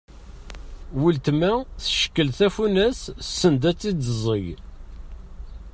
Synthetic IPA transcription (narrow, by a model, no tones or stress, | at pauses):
wult̪mæθə̥ʃə̥kːəlθæfunæssːənd̪æt͡sːid̪əzˤəj